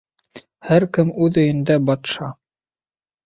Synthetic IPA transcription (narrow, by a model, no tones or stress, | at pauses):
hæɾkɘmʉðɵ̆jɘ̆nd̪æbɑt̪ʃɑ